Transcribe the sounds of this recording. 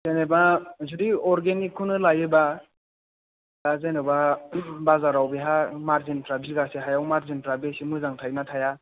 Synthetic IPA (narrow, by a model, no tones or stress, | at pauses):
z̥ajnebazudiɔɾɡenikʰːunɯlajɯba | dazajnebabazaɾawbiɦamaɾzinpɾabiɡaseɦajawmaɾzinpɾabesimɯzaŋtʰajnatʰaja